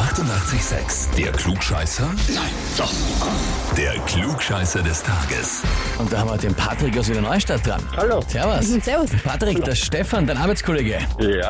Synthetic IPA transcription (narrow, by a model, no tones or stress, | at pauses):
ʔaχtʊntʔaχt͡sɪçz̥ɛ̰ksd̥eːɐkluːkʃa̰ɪsɐnaɪnd̥ɔχ | d̥eːɐkʰluːkʃaɪsɐdɛstʰa̰ːɡə̰sʔʊnt̚d̥aːhamiɐd̥eːnpʰa̰tʁ̥ɪkasiːdɐnɔʏəʃtat̚d̥ʁa̰nhalosɛɐvʊssɛɐvʊspʰatʁ̥ɪkd̥eʃtɛfandaɪnʔaɐbaɪt͡skʰoleːɡəja